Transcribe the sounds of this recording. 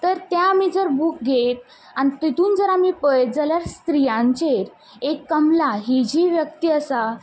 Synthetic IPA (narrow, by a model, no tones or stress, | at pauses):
t̪əɾt̪jaːmid͡zəɾbuːk̚ɡʱet̪̚ | ãit̪it̪uːnd͡zəɾamiːpəj̪̚d͡zaljaɾst̪ɾijãɲt͡ɕeɾ | ekːəmlaɦid͡ʑiːʋjək̚t̪iːəsa